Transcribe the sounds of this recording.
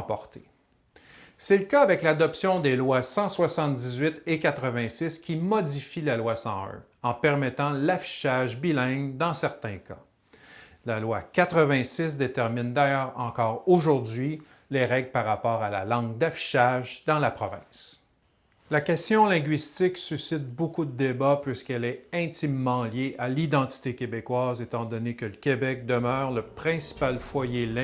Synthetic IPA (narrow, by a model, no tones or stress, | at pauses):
pɔʁt̪e | sɛləkaavɛklad̪ɔpsjɔ̃d̪elwasɑ̃swasɑ̃t̪̚d̪izɥɪt̪ekat̪χəvɛ̃sɪskʲimɔd̪ifilalwasɑ̰̃ɜ̰̃ | ɑ̃pɛʁmɛt̪ɑ̃lafi̥ʃaʒbilɛ̃ŋd̪ɑ̃sɛʁt̪ɛ̃ka | lalwakat̪χəvɛ̃sɪs̬d̪et̪ɛʁmind̪ajœːʁɑ̃kɔːʁoʒuʁd̪ɥi | leʁɛɡlpaʁːapɔːʁalalɑ̃ɡd̪afi̥ʃaʒd̪ɑ̃lapχɔvɛ̰̃s | lakʲɛst̪jɔ̃lɛ̃ɡʲɥist̪ɪksysɪt̪̚bokud̪əd̪ebapɥiskɛlɛɛ̃t̪imːɑ̃ljeʔalid̪ɑ̃t̪i̥t̪ekʲebekwaːzet̪ɑ̃d̪ɔnekələkʲebɛk̚d̪əmœːʁləpχɛ̃si̥palfwajelɛ